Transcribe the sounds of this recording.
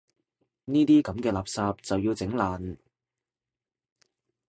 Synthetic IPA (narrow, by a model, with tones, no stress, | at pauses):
niː˥t̪iː˥kɐ˨˥mkɛː˧laː˨˩p̚saː˧p̚t͡sɐ˨wji˧wt͡sɪ˨˥ŋlaː˨n